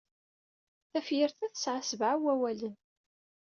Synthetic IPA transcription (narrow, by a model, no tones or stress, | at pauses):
θæfjəɾθæθə̥sʕasəvʕawæwælən